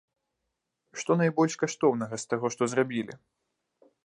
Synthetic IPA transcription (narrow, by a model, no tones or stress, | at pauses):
ʂt̪ɔnajbɔlʲʂkaʂt̪ɔwnɐɣɐst̪aɣɔʂt̪ɔzrabʲilʲḭ